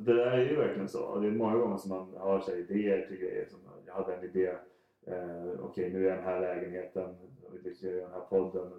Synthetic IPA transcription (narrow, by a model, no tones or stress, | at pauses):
d̪ɛd̪æːɾæɾjʏvæɾklɪənsɔ̰ɔ̰d̪ɛmɔŋːaɡɔŋːəʂɔmːanhɑɾʂɛɪd̪eːəɾʈʰɪlɡɾɛ̰jːə̰ɾʂɔmjɑ̰had̪ːəɛnɪd̪eː | ɔ̰kʰɛjnʉ̟æɖ̪ɛnɦæːɭɛːɡənheːt̪ənvɪlɪk̪ːd̪ɛnhæːɾpʰɔd̪ːən